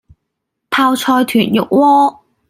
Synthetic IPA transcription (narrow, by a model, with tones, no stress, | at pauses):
p̪ʰaː˧wt͡ʃʰɔː˧jt̪ʰyː˨˩njʊ˨k̚wɔː˥